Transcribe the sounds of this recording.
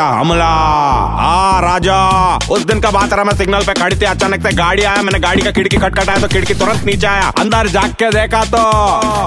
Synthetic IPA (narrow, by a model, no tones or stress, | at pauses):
aɦɐ̰mlaɦaːɾaːd͡ʒaːʊsd̪ɪnkabaːt̪ɾamɛ̃sɪɡnəlpekʰɐɽ̤it̪iɦɛ̃ɐt͡ʃaːnəkseɡaːɽiaːjamɛːneɡaːɽikakɪɽkikʰɐʈ̚kəʈaːjat̪okɪɽkit̪ʊɾə̃nt̪niːt͡ʃeaːjaːɐ̰̃nd̪əɾd͡ʒaːɡːed̪eːkʰat̪oː